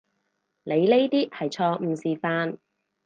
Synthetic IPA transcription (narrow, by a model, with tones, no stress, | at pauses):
le˨˧jle˥jt̪iː˥hɐ˨jt͡ʃʰɔː˧m̩˨˧siː˨˩faː˧n